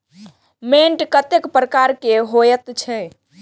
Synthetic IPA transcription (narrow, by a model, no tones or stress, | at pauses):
meɳʈkət̪ekpɾəkaɾkeɦojət̪t͡ʃʰɛ